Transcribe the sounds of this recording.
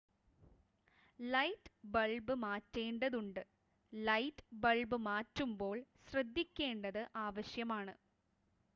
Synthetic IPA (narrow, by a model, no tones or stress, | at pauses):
lɐjtːbɐɭbɨmaːtːeːɳɖɐðuɳɖɨ | lɐjtːbɐɭbɨmaːtːumbo̞ːɭɕrɐd̪ʱːikʲːe̞ːɳɖɐðɨʔaːʋɐɕjɐmaːɳɨ